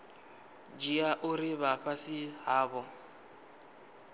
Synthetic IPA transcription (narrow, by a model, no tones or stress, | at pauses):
d͡ʒiaʔʊrɪβaɸasɪɦaːβɔ